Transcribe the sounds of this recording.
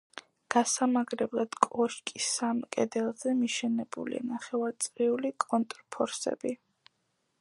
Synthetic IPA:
ɡ̥asamaɡɾɛblˠad̪̥kʼɔʃkʼisːamkʼɛd̪ɛlˠzɛmiʃɛnɛbṵlḭa̰naχɛvaɾt̪sʼɾiulikʼɔnt̪ʼɾpʰɔɾsɛ̰bi

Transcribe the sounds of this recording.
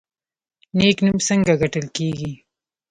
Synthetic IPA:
neknumsəŋɡaɡaʈəlkeɡi

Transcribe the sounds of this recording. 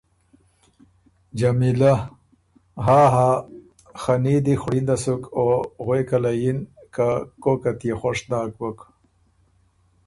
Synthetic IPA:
d͡ʒamila | ɦaːɦa | xanid̪ixɽind̪asukoɣwekalajinkakokat̪ijexoʂd̪aːkwok

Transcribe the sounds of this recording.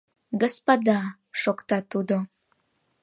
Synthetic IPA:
ɡospɑd̪ɑ | ʃokt̪ɑt̪ud̪o

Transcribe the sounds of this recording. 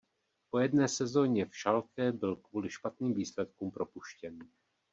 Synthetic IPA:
po̞jɛdnɛːsɛzo̞ɲɛfʃalkɛbɪlkvuːlɪʃpat̪niːmviːslɛt̪̚kuːmpɾo̞puʃcɛn

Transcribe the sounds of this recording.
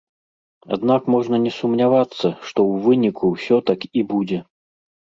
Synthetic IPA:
a̰d̪nakmɔʐnɐnʲɛsumnʲavat̪sːɐʂt̪ɔwvɨnʲikʰuwsʲɔt̪akibud͡zʲɛ

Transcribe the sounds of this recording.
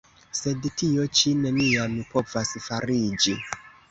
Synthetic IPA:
se̞dtio̞t͡ʃine̞nianupo̞vasfaɾid͡ʒi

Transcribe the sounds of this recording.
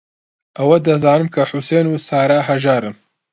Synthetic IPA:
ʔɐwɐd̪ɐzaːnɨmkʰɐħusenuːsaːɾaːɦɐʒaːɾɨm

